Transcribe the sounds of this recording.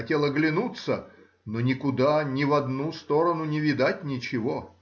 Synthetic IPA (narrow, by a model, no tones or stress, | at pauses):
ɐtʲelˠəɡlʲɪnut̪sə | nonʲɪkʊd̪anʲɪvɐd̪nust̪o̞ɾənʊnʲɪvʲɪd̪atʲnʲɪt͡ɕɪvo